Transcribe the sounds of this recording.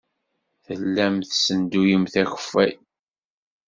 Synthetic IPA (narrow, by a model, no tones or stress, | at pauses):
θəlːæmθsənd̪ujəmθæçə̥fæj